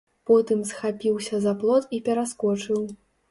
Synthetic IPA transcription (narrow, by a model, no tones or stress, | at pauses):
pɔt̪ɨmsxapʲiwsʲɐzaplˠɔt̪ipʲɛɾaskɔt͡ʂɨw